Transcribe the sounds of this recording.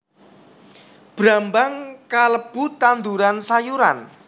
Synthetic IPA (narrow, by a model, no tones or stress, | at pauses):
b̥ɾambaŋkaləb̥ṳt̪and̪uɾansajuɾa̰n